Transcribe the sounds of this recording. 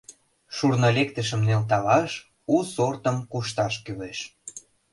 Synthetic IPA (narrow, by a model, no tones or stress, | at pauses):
ʃurnolekt̪əʃ̬ə̆mnelt̪ɑlɑʃ | usort̪ə̆mkuʃt̪ɑʃkyleʃ